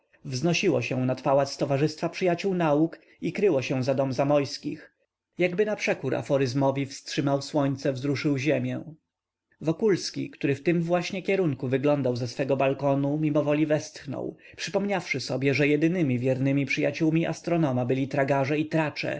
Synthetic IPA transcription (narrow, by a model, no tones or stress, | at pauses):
vznɔɕiwɔ̰ɕɛ̃nat̪pawat̪st̪ɔvaʐɘst̪fapʂɘjat͡ɕuwnauk | ikɾɘwɔɕɛ̃w̃zad̪ɔmzamɔjskʲix | jaɡbɘnapʂɛkuɾa̰fɔɾɘzmɔvʲifstʂɘmawswɔɲt̪sɛvzɾuʂɘwʑɛmʲjɛ̃ | vɔkulskʲḭkt̪uɾɘft̪ɘmvwaɕɲɛkʲɛɾuŋkuvɘɡlɔnd̪awzɛsfɛɡɔbalkɔnumʲimɔvɔlʲivɛst̪xnɔ̰w | pʂɘpɔmɲafʂɘsɔbʲjɛʐɛjɛd̪ɘnɘmʲivʲjɛɾnɘmʲipʂɘjat͡ɕuwmʲiʔa̰st̪ɾɔnɔmabɘlʲit̪ɾaɡaʐɛit̪ɾat͡ʂɛ̰